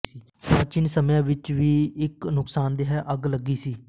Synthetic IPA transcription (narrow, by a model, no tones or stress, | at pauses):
iː | pət͡ʃɪnsəmjãːʋɪt͡ʃʋiːɪknʊksaːnd̪eːɦɛːʔəɡləɡiːsiː